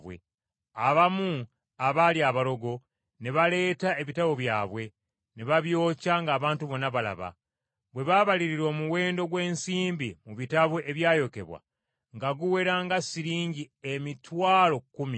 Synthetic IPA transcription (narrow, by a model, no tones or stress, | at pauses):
βwḛ | aβamu | aβaliaβalo̞ɡo̞ | ne̞βale̞ːtae̞βitaβo̞βjaːβwe̞ | neβaβjo̞ːcaŋɡaːβaːntuβo̞nːaβala̰βa̰ | βwe̞βaβaliɾiɾo̞ːmuwe̞ːndo̞ɡwe̞ːnsiːmbimuβitaβoʔe̞βjaːjo̞ke̞̰βwa̰ | ŋɡaɡuwe̞ɾaːŋɡasiɾiːɲɟiemitwaːlo̞kːumi